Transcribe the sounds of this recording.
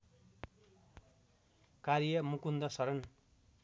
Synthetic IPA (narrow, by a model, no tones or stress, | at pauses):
kaɾjʌmukund̪ʌsʌɾʌn